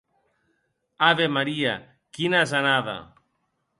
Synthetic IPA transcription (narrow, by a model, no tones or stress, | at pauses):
aβemaɾia̰ | kinazanaða̰